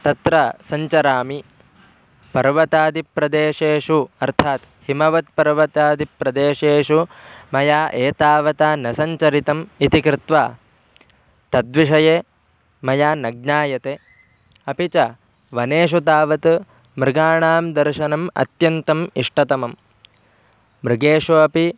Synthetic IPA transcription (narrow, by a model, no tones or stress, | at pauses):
t̪ɐt̪ɾɐsɐɲt͡ʃɐɾaːmi | pɐɾʋɐt̪aːd̪ʱipɾɐd̪eːʂeːʂuɐɾt̪ʰaːt̪ | himɐʋɐt̪̚pɐɾʋɐt̪aːd̪ʱipɾɐd̪eːʂeːʂumɐjaːʔeːt̪aːʋɐt̪aːnɐsɐɲt͡ʃɐɾit̪ɐmit̪ikɾɪt̪ʋaː | t̪ɐd̪ʋiʂɐjeː | mɐjaːnɐɡ̚naːjɐt̪eː | ɐpit͡ʃɐ | ʋɐneːʃ̬ut̪aːʋɐt̪ | mɾɪɡaːɳaːmd̪ɐɾʃɐnɐmɐ̰t̪jɐnt̪ɐmiʂʈɐt̪ɐmɐm | mɾɪɡeːʂuɐpi